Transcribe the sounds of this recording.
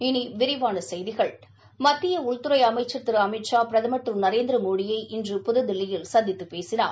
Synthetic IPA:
ɪniʋɪɾɪʋaːnɐsɛjðɪɣɐɭ | mɐt̪ːɪjɐʊɭt̪ʊɾɐɪɐmɐɪt͡ʃːɐt̪ːɪɾɐmɪʈʂaːpɪɾɐðɐmɐʈːrɯnɐɾeːnd̪ɪɾɐmoːɽɪjɐɪʔɪndrɯpʊðɐðɪlːɪjɪlsɐnd̪ɪt̪ːɯpːeːsɪna̰ː

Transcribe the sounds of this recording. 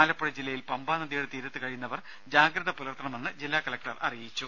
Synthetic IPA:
aːlɐpːɐɽɐd͡ʑilːɐjilpɐmbaːnɐðijuɽet̪iːɾɐt̪ːɨkɐɻijunːɐʋɐr | d͡ʑaːɡɾɐðɐpulɐrt̪ːɐɳɐmenːɨd͡ʑilːaːkɐlɐk̚ʈɐrɐ̰rijit͡ɕːu

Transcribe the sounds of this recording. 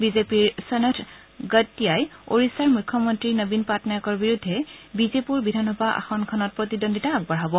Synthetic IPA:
bizepiɹsenetʰ | ɡətːijajo̰ɹisaɹmujkʰːɔmɔntɹinobinpatnajɔkɔɹbiɹudʱːɛbizepuɹbidʱanɔbaʔa̰xɔnkʰɔnɔt̚pɹotidonditaːɡ̚baɹɦɔbɔ

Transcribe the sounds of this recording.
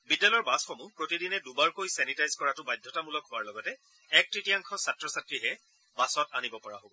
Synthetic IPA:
bidːalɔɔɹbasxomʊpɹotidinɛdubaɹkojsɛnitajzkɔɹatʊbajdʱːɔtamulɔkhʊwaɹlɔɡɔtɛ | ɛk̚tɹitijaŋkʰɔsatɹɔsatɹiɦɛ | basɔtanibɔpɔɹaɦobɔ

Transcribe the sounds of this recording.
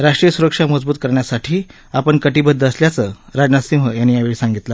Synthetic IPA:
ɾaʂʈɾijəsuɾəkʂaməd͡zbuːt̪̚kəɾɳjasaʈʰiː | apəɳkəʈiːbəd̪ːəəsljat͡səɾad͡znasĩʋəjanːiːjaʋeɭisãŋɡit̪la

